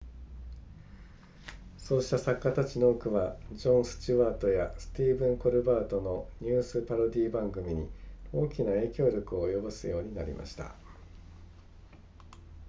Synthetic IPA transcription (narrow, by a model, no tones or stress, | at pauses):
so̞ːɕi̥t̪asakːat̪at͡ɕinoːkɯ̟βad͡ʑõ̞ɰ̃sɨ̥t͡ɕiβaːt̪o̞jasɨ̥t̪ʲiːbɯ̟̃ŋko̞ɾɯ̟baːt̪o̞no̞ɲ̟ɨːsɨpaɾo̞d̪ʲiːbãŋɡɯ̟mʲiɲ̟io̞ːkʲinae̞ːkʲo̞ːɾʲo̞kɯ̟o̞jo̞bɯ̟sɨjo̞ːɲ̟ina̰ɾʲḭma̰ɕi̥t̪a̰